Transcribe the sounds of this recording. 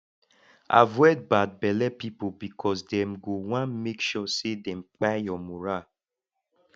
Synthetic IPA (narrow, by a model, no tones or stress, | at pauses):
a̰vɔd̚bad̚bɛlɛpipobikʰɔsdɛmɡowãnmekʃɔsedɛ̃m̩k͡pajɔmuɹa